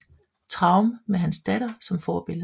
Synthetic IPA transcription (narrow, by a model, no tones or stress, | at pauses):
t͡sʰʁɑ̈ʊmmeɦænsd̥æɾ̥ɐsɒ̽mfɒːb̥e̝lðˠ